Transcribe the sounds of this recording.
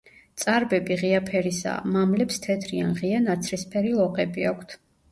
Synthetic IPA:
t̪sʼaɾbɛbiʁiapʰɛɾisa̰mamlɛpst̪ʰɛd̪ʰɾia̰nʁianat̪sʰɾispʰɛɾilˠɔqʼɛbiakʷʰt̪ʰ

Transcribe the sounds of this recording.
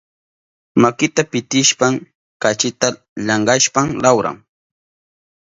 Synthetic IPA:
makɪt̪apɪt̪ɪʃpam | kat͡ʃɪt̪a | lɑɴɢɑʃpaŋlawɾa̰ŋ

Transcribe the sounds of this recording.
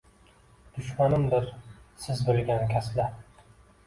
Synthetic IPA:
d̪̥ʊʃmanɪmd̪ɪɾsɪzbɪlɡʲankʲʰasla

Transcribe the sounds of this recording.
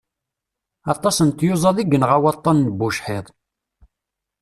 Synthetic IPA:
ɑt̪ˤːɑsənt̪jʊzˤɑðˤiɡːənʁawɑt̪ˤːɑnːəbːʊʃħɪðˤ

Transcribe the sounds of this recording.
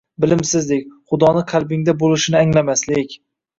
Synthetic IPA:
bɪlɪmsɪzlɪk̚ʲχʊd̪ɒnɪqʰalbɪŋd̪abolɪʃɪnɪaŋlamaslɪkʲ

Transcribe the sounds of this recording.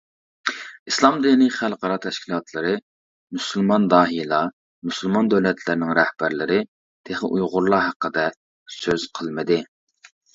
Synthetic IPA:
islˠɑmd̪iniχælˠqɑɾɑt̪ʰɛʃkʲʰilˠɑt̪ʰlˠɨɾɨ | myslˠmɑnd̪ɑːɦijlˠɑ | myslˠmɑnd̪ɛwlɛt̪ʰlɪɾɪnɪŋɾɛhb̥æɾlɪɾɪ | t̪ʰeχəʔujʁʊɾlˠɑɦæqːəd̪ɛ | søz̥qʰəlˠmɨd̪ɪ

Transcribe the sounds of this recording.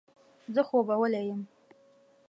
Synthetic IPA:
zɨχʷobɐwɐlɐjɪm

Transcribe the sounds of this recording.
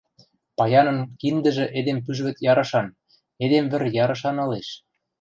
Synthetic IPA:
pɑjɑnɤ̆nkind̪ə̆ʒĕʔed̪emp̬yʒβɘ̆t̪jɑɾɤ̆ʃɑn | ed̪emβɘ̆rjɑɾɤ̆ʃ̬ɑnɤ̆leʃ

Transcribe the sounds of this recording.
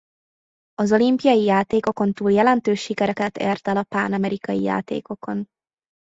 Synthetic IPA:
ɒzo̞limpijɒjijaːt̪eːko̞ko̞nt̪uːljɛlɛnt̪øːʃːikɛɾɛkɛt̪ḛːrt̪ɛlɒpaːnɒmɛɾikɒjḭja̰ːt̪ḛːko̞ko̞n

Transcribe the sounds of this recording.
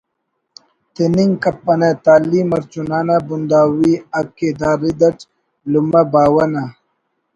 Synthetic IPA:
t̪eniŋkɐpːɐnet̪aːliːmɐɾt͡ʃunaːnabund̪aːwiɐkːed̪aːɾid̪ɐʈ | lumɐbaːwɐna

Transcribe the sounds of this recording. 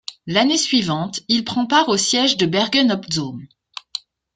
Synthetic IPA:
lanesɥivɑ̃t̪ilpχɑ̃paʁosjɛʒd̪əbɛʁɡɛnɔpzom

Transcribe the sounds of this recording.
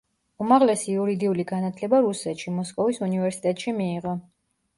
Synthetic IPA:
umaʁlɛsiuɾid̪iuliɡanat̪ʰlɛbaɾusɛt̪ʃimɔskʼɔvisunivɛɾsi̥t̪ʼɛt̪ʼʃimiːʁɔ

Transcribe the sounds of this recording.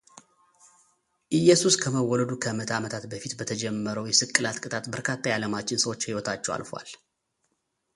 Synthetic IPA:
ʔɨjːɛsuskʰəməwːɔləd̪ukʰəmət̪ʰamət̪ʰat̪bəfit̪bət̪ʰəd͡ʒɛmːəɾəwjɛsɨkʼːɨlat̪kʼɨt̪ʼat̪bəɾkʰat̪ːajaləmat͡ʃːɪnsəwo̞t͡ʃːhiwɔt̪ʰat͡ʃːɛwa̰lfowa̰l

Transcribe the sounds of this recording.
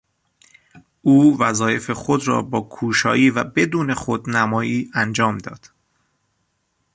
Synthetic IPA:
ʔuːvæzɒːje̞fe̞xod̪ɾɒ̰ːbɒːkʰuːʃɒ̰ːjiːvæbe̞d̪uːne̞xod̪næmɒːjiːænd͡ʒɒːmd̪ɒ̰ːd̪̥

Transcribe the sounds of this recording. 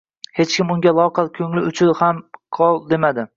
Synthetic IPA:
he̞t͡ʃkʲɪmʊŋɡʲalˠɒqʰɑlkʲʰɵŋlɪʊt͡ʃʰʊlhamqʰɒlˠd̪emad̪ɪ

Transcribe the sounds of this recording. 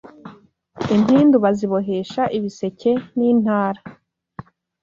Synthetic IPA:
imiːnduβaziβo̞ɦe̞ʃaʔiβise̞ce̞niːn̥haːɾa

